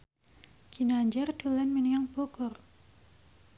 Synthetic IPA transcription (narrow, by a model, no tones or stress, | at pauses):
ɡ̥inaɲd͡ʒɛrd̥olɛnminiŋaŋb̥oɡ̥ɔr